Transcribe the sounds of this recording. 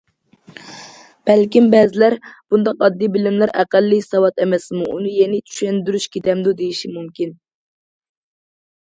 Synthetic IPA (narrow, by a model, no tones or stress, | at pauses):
b̥ɛlkʲimbɛzɪlæɾb̥und̪ɑqɑd̪ːijbɪlɪmlæɾæ̰qælːisɑwɑt̪ɛmɛsmuʔunɨjɛnɪt͡ʃʰy̥ʃɛnd̪yɾyʃkʲet̪ɛmd̪ud̪ejiʃimumkʲin